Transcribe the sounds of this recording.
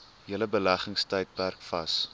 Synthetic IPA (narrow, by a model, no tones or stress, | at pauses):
ɦiələbəlæχəŋstəjt̚pærkfɐ̰s